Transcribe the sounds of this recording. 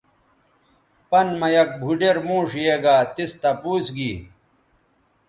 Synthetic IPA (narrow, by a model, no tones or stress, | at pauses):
pɐnmɐjɐk̚bʱuɖeɾmũːʂeːɡaːt̪ist̪ɐpuːsɡiː